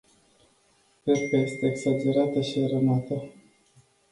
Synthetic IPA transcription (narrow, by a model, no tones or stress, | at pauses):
pespaje̞st̪eːksad͡ʒe̞ɾat̪əʃiaɾənat̪ə